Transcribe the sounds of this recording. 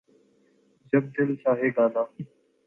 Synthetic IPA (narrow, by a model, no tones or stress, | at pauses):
d͡ʒəb̚d̪ɪlsãːɦeːɡãːnãː